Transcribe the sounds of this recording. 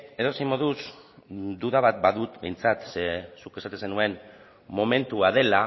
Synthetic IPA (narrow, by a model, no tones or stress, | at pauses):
e̞ðo̞simo̞ð̞us | d̪uðaβat̪̚baðut̪be̞jnt͡sat̪sesuke̞sat̪esenue̞n | mo̞me̞nt̪uað̞e̞la